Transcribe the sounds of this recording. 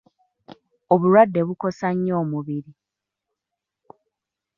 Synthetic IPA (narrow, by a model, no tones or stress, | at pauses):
o̞βuɾwadːe̞βuko̞saɲːo̞ːmuβiɾi